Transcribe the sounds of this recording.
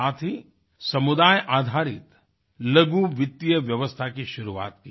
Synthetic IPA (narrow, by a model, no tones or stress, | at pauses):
aːt̪ʰi | sɐmʊd̪aːjʔaːd̪ʱaːɾɪt̪ | lɐɡuʋɪt̪ːijəʋjɐʋəst̪ʰakiʃʊɾua̰ːt̪ki